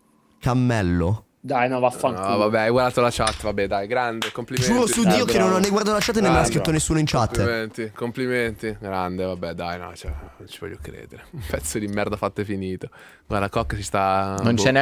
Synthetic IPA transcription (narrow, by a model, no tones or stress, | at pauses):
kamːɛlːo | d̪ajnɔvafːaŋvabːɛajɡwaɾd̪aːt̪olat͡ʃat̪ːvabːɛd̪ajɡɾand̪ekomplieuɾosud̪iːokenːonanːajɡwaɾd̪at̪olat͡ʃat̪ːnemːaaskɾit̪ːonesːuːnoint͡ʃat̪ːment̪ikompliment̪iɡɾand̪evabːɛd̪ajnɔ̰t͡ʃɛnont͡ʃi̥vɔ̰jːukːɾḛːd̪eɾeumpɛt̪sːod̪imːɛrd̪afat̪ːefiniːt̪o | ɡwaɾrd̪akɔkːsist̪anonɛn